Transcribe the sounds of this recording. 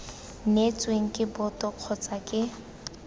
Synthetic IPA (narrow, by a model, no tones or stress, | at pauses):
net͡sʼweŋ̩kʼɪbʊtʼɔq͡χʰɔt͡sakʼɪ